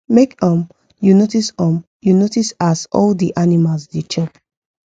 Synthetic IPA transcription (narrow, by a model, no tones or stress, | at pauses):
mekɔ̃m | junotisɔ̃m | junotisazɔ̰ldiʔanimalsdet͡ʃɔp